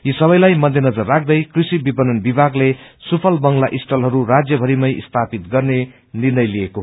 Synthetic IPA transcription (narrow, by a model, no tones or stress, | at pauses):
jisʌβʌjlajmʌd̪ʱjenʌd͡zʌrːak̚ʰd̪ʌjkrisibibʌnʌnbibʱaɡlesupʰʌlbʌŋlaʔisʈʌlɦʌɾurad͡zjʌbʱʌɾimʌjist̪ʰapit̪ɡʌrne | nirnʌjlijekoɦ